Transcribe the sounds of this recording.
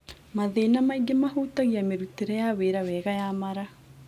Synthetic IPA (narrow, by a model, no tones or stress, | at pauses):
maðeːnamaiɡemahuːtaɣiameɾuteɾɛjaweɾawɛɣajamaɾa